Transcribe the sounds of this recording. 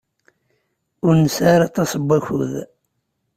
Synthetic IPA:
ʊɾnəsaɾɑt̪ˤːɑsˤəbːæçʊð

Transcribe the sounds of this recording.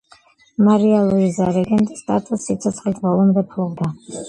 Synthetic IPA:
maɾialˠuizaɾɛɡɛnt̪ʼst̪ʼa̰t̪ʼusːit̪sʰɔt̪sʰχlit̪ʰbɔlˠɔmd̪ɛpʰlˠɔbd̪a

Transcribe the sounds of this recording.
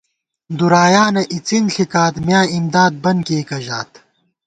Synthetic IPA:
d̪uɾaːjaːnɐʔit͡sinɬikaːt̪mjaːimd̪aːd̪̚bɐnkeːkɐʑaːt̪

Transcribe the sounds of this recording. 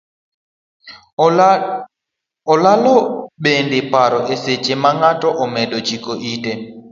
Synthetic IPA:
ɔlalɔɓendepaɾɔʔeset͡ʃemaŋatɔʔɔmɛdɔd͡ʒikoʔite

